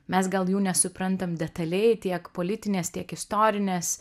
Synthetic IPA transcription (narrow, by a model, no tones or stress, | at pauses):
mʲɛsɡɐlˠjuːnʲɛsʊpɾɐnt̪ɐmd̪ʲɛt̪ɐlʲɛɪt̪ʲiɛkpolʲɪt̪ʲɪnʲeːst̪ʲiɛkɪst̪oːɾʲɪnʲeːs